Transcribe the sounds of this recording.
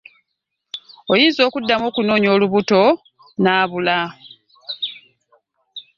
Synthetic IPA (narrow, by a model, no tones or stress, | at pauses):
ojiːzo̞ːkudːamoːkuno̞ːɲo̞ːluβuto̞ | naːβula